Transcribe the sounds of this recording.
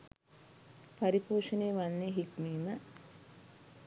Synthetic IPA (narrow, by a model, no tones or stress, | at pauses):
paɾipoːʃəneːʋanːeɦikmiːmə